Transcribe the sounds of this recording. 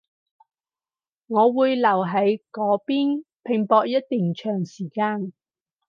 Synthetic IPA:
ŋɔː˨˧wuː˨˧jlɐ˨˩wɦɐ˨˥jkɔː˨˥piː˥npʰɪ˨˩ŋpɔː˧k̚jɐ˥t̚t̪yː˨ŋt͡ʃʰœː˨˩ŋsiː˨˩kaː˧n

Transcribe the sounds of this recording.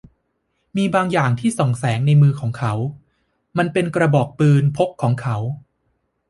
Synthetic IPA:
miː˧baː˧ŋjaː˨˩ŋt̪ʰiː˥˩so˨˩ŋsɛː˩˦ŋna˧jmɯː˧kʰɔː˩˦ŋkʰa˦˥w | ma˧npe˧nkɾa˧bɔː˨˩k̚t̪ɯː˧npʰo˦˥kʰːɔː˩˦ŋkʰa˦˥w

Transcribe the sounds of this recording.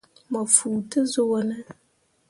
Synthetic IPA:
ma˨fuː˨tə˦zʊ˦wnə˦

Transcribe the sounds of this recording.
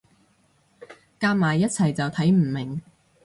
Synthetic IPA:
kaː˧˥p̚maː˨˩jːɐ˥t̚t͡sʰɐ˨˩jt͡sɐ˨wt̪ʰɐ˨˥jm̩˨˩mɪ˨˩ŋ

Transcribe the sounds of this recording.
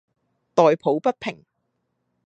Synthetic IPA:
t̪ɔː˨jpʰo˨˥wpɐ˥t̚pʰɪ˨˩ŋ

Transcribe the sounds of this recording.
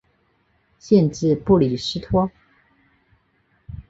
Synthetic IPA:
ɕjɛ˥˧nʈ͡ʂɻ̩˥˧pu˥˩li˨˩ʂɻ̩˥t̪ʰwɔ˥

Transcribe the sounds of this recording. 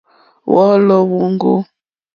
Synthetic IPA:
wɔ˦lɔ˦wu˦ŋɡo̰˦

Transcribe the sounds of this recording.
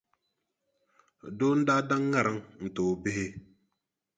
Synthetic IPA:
do˦n̩˦da˦da˦ŋːa˦˨ɾa˦ŋn̩˨toː˨be˦he˦

